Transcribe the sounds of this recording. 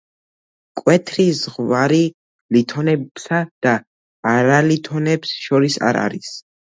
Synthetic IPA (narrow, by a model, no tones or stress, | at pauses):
kʼwɛt̪ʰɾizʁvaɾi | lit̪ʰɔnɛbsad̪̥aː | ɾalit̪ʰɔnɛpsʃɔɾisa̰ɾa̰ɾis